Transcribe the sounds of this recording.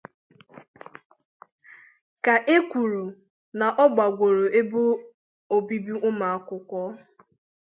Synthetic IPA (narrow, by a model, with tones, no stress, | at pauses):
ka˨ʔe˦kʷu˨ɾu˨ | na˨ʔɔ˦ɡ͡ba˨ɡʷo˨ɾo˨ʔe˦bʊ˦ | o˨bi˦bi˦ʔʊ˦ma˨a˨kʊ˦kʷɔ˦